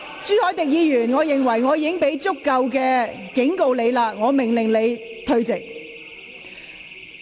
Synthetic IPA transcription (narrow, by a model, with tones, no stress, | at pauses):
syː˥hɔː˨˥jt̪ɪ˨k̚jiː˨˧jyː˨˩nŋɔː˨˧jɪ˨˩ŋwɐ˨˩jŋɔː˨˧jiː˨˧kɪ˥ŋpe˨˥jt͡sʊ˥kːɐ˧wkɛː˧kɪ˨˥ŋko˧wle˨˧jlaː˧ŋɔː˨˧mɪ˨˩ŋlɪ˨˩ŋle˨˧jt̪ʰɵ˧ɥt͡sɪ˨k̚